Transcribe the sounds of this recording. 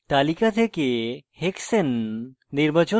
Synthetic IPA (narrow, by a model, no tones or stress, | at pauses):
t̪alikat̪ʰekeheksenː | iɾbʱət͡ʃo